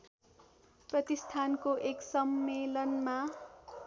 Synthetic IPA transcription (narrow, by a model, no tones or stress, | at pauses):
prʌt̪ist̪ʰankoʔeksʌmːelʌnma